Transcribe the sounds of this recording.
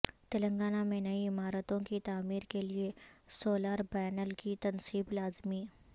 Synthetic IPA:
t̪ɪlə̃ŋɡaːnamẽnɐiɪmaːɾət̪õkit̪aːmiːɾkeliesoːlaːɾbɛːnəlkit̪ɐnsiːblaːzmiː

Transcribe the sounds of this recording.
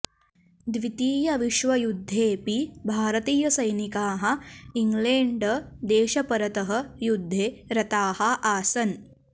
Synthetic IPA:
d̪ʋit̪iːjɐʋiʃʋɐjud̪ʱːeːpibʱaːɾɐt̪iːjɐsɐjnikaːɦɐ̆iŋɡleːɳɖd̪eːʃɐpɐɾɐt̪ɐɦɐ̆jud̪ʱːeːɾɐt̪aːhɐ̆ʔaːsɐn

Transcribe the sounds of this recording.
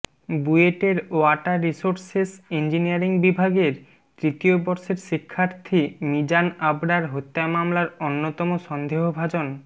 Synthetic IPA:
bueʈeɾoaʈaɾisoɾsesind͡ʑiniaɾiŋbibʱaɡeɾ | t̪ɾit̪iobɔɾʃeɾʃikʰːaɾt̪ʰimid͡ʑanabɽaɾɦot̪ːamamlaɾonːot̪ɔmoʃɔnd̪ʱeɦobʱad͡ʑon

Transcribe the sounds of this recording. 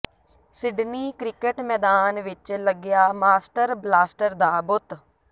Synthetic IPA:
sɪɖniːkɾɪkəʈmɛːd̪aːnʋɪt͡ʃləɡɪjaːmaːsʈəɾblaːsʈəɾd̪aːbʊt̪

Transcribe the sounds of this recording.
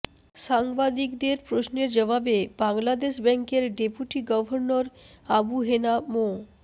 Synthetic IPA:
ʃaŋbad̪ikd̪eɾpɾosneɾd͡ʑɔbʱabebaŋlad̪eʃbɛŋkeɾɖepuʈiɡɔbʱoɾnoɾabuɦenamo

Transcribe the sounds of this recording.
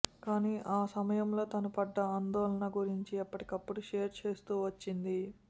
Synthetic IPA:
kaːniːʔaːsɐmɐjɐmlo̞ːt̪ɐnɐpɐɖːɐaːnd̪ɔːlɐnɐɡuɾiɲt͡ʃiɐpːɐʈi̥kɐpːuɽuʂeːɾt͡ʃe̞ːst̪uːʋɐt͡ʃːind̪i

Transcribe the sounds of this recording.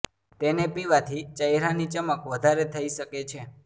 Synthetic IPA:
t̪enepiʋat̪ʰit͡ʃəjɾanit͡ʃəməkʋəd̪ʱaɾet̪ʰəiʃəket͡ʃʰe

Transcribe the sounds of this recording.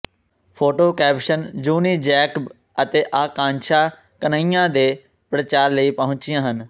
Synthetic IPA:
pʰoːʈoːkɛːpʃənd͡ʒuːniːd͡ʒɛːkb | ət̪eːʔaːkãːnt͡ʃʰaː | kənaːijãːd̪eː | pɾət͡ʃaːɾləiːpəɦʊ̃ɲt͡ʃɪjãːɦən

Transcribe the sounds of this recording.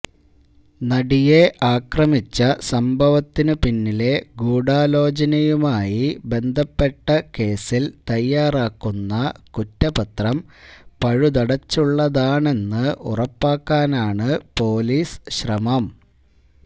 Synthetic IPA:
nɐɽije̞ʔaːkrɐmit͡ɕːɐsɐmbʱɐʋɐt̪ːinɨpinːile̞ɡuːɽaːlo̞ːt͡ɕɐnɐjumaːjibe̞nd̪ʱɐpːe̞ʈːɐke̞ːsilt̪ɐjːaːraːkːunːɐkutːɐpɐt̪rɐmpɐɻud̪ɐɽɐt͡ɕːuɭːɐðaːɳe̞nːɨʔṵrɐpːaːkːaːnaːɳɨpo̞ːliːsɕrɐmɐm

